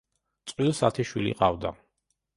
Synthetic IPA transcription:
t̪sʼqʼwilsat̪ʰiʃwilḭqʼavd̪a

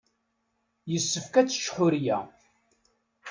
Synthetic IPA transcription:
jəsːəfkæt͡sːə̥ʃħʊɾjæ̰

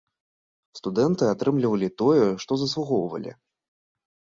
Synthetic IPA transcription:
st̪ud̪ɛnt̪ɨat̪ɾɨmlʲivɐlʲit̪ɔjɛʂt̪ɔzɐslˠuɣɔwvɐ̰lʲḭ

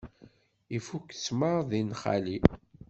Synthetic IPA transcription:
ifuksməɾðinχa̰li

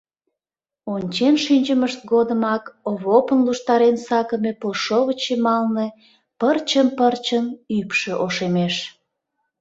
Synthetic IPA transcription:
onʲt͡ɕenʃynʲt͡ɕəməʃt̪̚ɡod̪əmɑkoβopənluʃt̪ɑɾensɑkəmepolʃoβət͡ɕemɑlne | pərt͡ɕəmpərt͡ɕənypʃeʔoʃemeʃ

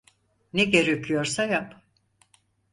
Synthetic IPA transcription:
neɟeɾøcʰyjo̞ɾsajap

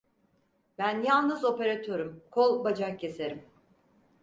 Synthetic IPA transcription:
bænjalˠnɯzo̞pe̞ɾat̪ʰøɾumkʰolˠbad͡ʒakcʰːe̞se̞ɾim

